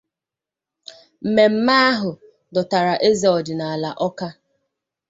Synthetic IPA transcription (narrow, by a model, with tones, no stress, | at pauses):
m̩˨me˨m̩˦ma˦a˦ɦʊ˨ | dɔ˨ta˨ɾa˨ʔe˦za˨ɔ˨dɪ˨na˨a˨la˨ʔɔ˦ka˦